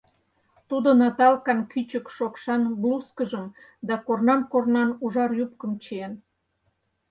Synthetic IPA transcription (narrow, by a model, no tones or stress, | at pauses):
t̪ud̪onɑt̪ɑlkɑnkyt͡ɕəkʃokʃɑnbluskəʒəm | d̪ɑkornɑmkornɑnuʒɑrjup̚kəmt͡ɕeen